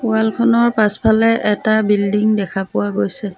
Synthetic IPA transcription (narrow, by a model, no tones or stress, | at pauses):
pualkʰɔnɔɹpaspʰalɛʔɛtabildiŋdɛkʰapʊwaɡojsɛ